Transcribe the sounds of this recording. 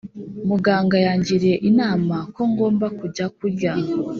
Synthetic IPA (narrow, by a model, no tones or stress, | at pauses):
muɡaːŋɡajaːɲɟiɾie̞ʔinaːmako̞ŋɡo̞ːmbakuɟakuɾɟa